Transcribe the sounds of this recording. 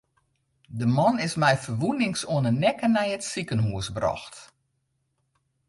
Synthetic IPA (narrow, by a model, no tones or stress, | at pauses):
dəmɔnɪsmɛjfərʋunɪŋsuənənɛkənɛjətsikənɦuəsbrɔ̰xt